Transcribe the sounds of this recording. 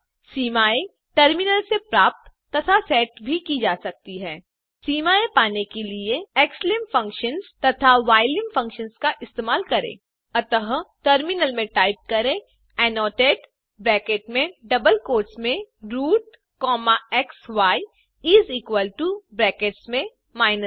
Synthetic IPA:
siːmaːe | ʈəɾmɪnəlsepɾaːp̚t̪ː | ɐt̪ʰasɛːʈbʱikid͡ʒaːsɐk̚t̪iɦɛː | siːmaːepaːnekelieɛːkslɪmfɐ̃ŋkʃənzt̪ɐt̪ʰaʋaːɪlɪ̃mfɐ̃ŋkʃənzkaʔɪst̪eːmaːlkɐɾḛ̃ː | ɐt̪əɦʈəɾmɪnəlmẽʈaːɪp̚kɐɾẽ | ɛːnɔːʈeːʈ | bɾɛːkeːʈmẽɖɐbəlkoːʈsmẽɾuːʈ̚ | kɔːmaɛksʋaːi | iːziːkwəlʈubɾɛːkeːʈsmẽ | maːɪnəs

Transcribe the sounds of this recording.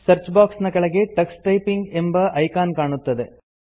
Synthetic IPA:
sɐɾt͡ʃbaːksnɐkɐɭɐɣeʈɐksʈɐɪpːɪŋɡɛmbɐʔɐɪkaːnkaːɳɯt̪ːɐðɯ

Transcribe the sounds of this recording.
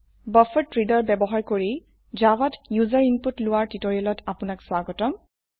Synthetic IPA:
bɔfɔtɹidɔɹbɛbɔɦaɹkoɹi | zawatjuzaɹinputlʊwaɹtitoɹiɔlɔtʰapʊnakswaɡɔtɔm

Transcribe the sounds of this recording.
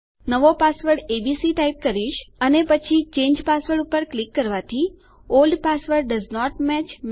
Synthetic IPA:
nəʋopasʋəɾɖebisiʈajip̚kəɾiʃənepət͡ʃʰit͡ʃẽɲd͡ʒpasʋəɖupəɾklikːəɾʋat̪ʰi | olɖpasʋəɾɖɖəznɔʈmɛt͡ʃm

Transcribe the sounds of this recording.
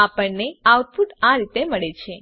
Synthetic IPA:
apəɳneawʈfuʈaɾit̪eməɭet͡ʃʰe

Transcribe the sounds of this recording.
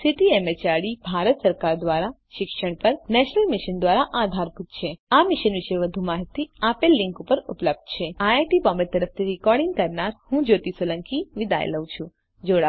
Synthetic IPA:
siʈiemet͡ʃaɾɽibʱaɾət̪səɾkaɾd̪ʋaɾa | ʃɪkʃəɳ̃pəɾnɛʃnəlmɪʃənd̪ʋaɾaʔad̪ʱaɾput̪t͡ʃʰeamɪʃənʋɪʃeʋəd̪ʱumaɦit̪ːiapelːɪ̃ŋkupəɾupləb̚d̪̚t͡ʃʰeaaʈipɔ̃meɾt̪əɾəft̪ʰiɾɪkɔɾɽɪŋɡkəɾnaɾhũd͡ʒot̪isoləŋkiʋɪd̪a̰j̰ləũt͡ʃʰũ | d͡ʒoɽa

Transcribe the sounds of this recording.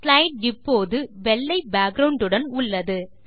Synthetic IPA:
slɐɪʈɪpːoːðɯʋɛlːɐɪbaːkɾɐʊɳɖɯɽɐnʊɭːɐðɯ

